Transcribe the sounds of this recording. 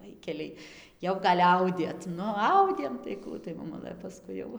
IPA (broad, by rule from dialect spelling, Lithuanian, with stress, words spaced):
ˈʋɐɪkʲɛlʲɛɪ ˈjɛʊ ɡɐlʲ ˈɐʊdʲeːt ˈnʊ ˈɐʊdʲeːm tɐɪ ˈkuː tɐɪ moːˈmʊlˠɘ pɐˈskʊɪ jɛʊ